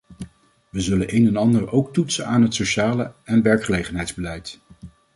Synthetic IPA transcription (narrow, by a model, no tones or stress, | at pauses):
ʋəzɵlənʔejnɛnɑndəɹowktutsənaːnɦətsoʃaːləɛnʋɛɹkχəlejχənɦɛjdzbəlɛjt